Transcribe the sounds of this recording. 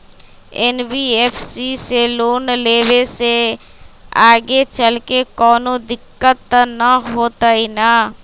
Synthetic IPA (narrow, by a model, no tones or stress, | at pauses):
ɛnbieːpʰsiseloːnleːwese | aːɡet͡ʃəlkekɔːnõd̪ɪkːət̪ːnəɦoːt̪ainaː